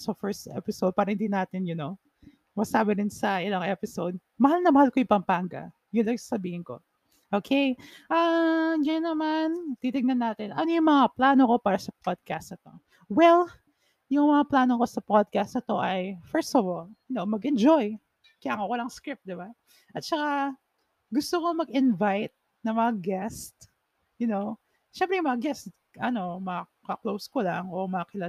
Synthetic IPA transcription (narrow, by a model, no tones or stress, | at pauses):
sofɛɹst̪ʔɛ̰pɪsod̪̚paːɾɐhɪnd̪iːnaːt̪ɪnjʊno | mɐsaːbɪɾɪnsɐʔɪlɐŋʔɛpɪsod̪̚ | mɐhalnɐmɐhalkojʊŋpɐmpaŋɡɐ̰ | jʊlaŋsɐsɐbiːhɪnko̞̰ | ʔoːkʰejʔɐɡɐjɐnːɐmant̪it̪ɪŋnɐnːaːt̪ɪnɐnojʊŋmɐŋaplaːnoko̞paːɾɐsɐpad̪̚kast̪ɐt̪o̞̰ | wɛl | jʊŋmɐŋaplaːnoko̞sɐpod̪̚kast̪nɐt̪o̞ʔɐjfɛɹst̪ɐvɔljʊnowmɐɡɛnd͡ʒoj | kɐjaːŋowɐlaŋskɾɪp̚d̪ɪba | ʔɐt̪̚t͡ʃɐka | ɡʊst̪okomɐɡɪnvajt̪̚ | nɐŋmɐŋaɡɛst̪ | jʊnow | ʃɛmpɾɛjʊŋmɐŋaɡɛst̪ | ʔɐno̞mɐɐkɐklowskʊlaʔɐŋomɐɐkɪlɐ